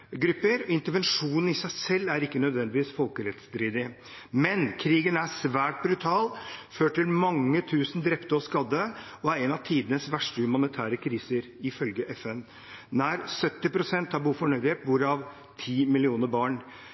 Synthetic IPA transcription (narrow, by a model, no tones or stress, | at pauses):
ɡɾʉpːəɾɔɪnt̪əɾʋɛnʂuːnən̩ɪsæɪsɛlːæɾɪkːənœd̪ʋɛnd̪ɪʋiːsfɔlkəɾɛt̪sd̪ɾiːd̪ɪ | mɛnkʰɾiːɡənæʂʋæːʈ̚bɾʉt̪ʰɑːlføːʈɪlmɑŋːət̪ʰʉːsn̩d̪ɾɛpt̪əɔskɑd̪ːə | ɔæɾɛnɑʋt̪ʰiːd̪ənəsʋæʂʈəhʉmɑnɪt̪ʰæːɾəkʰɾiːsəɾ | ɪfœlɡəʔɛfɛn | næɾsœt̪ːɪpʰɾʊsɛnt̪hɑbuːfɔɳœʏd̪ɪeːt̪̚buːɾɑʋ | t̪ʰiːmɪlɪuːnəbɑːɳ